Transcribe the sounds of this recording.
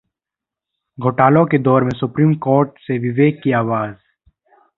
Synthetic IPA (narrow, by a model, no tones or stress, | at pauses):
ɡʱoːʈaːlõked̪ɔːɾmẽsʊpɾiːmkoːɾʈseʋɪʋeːɡ̚kːiaːʋaːz